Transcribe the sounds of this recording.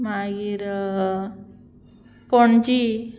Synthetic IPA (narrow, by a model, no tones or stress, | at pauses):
maɡiɾ | poɳt͡ɕi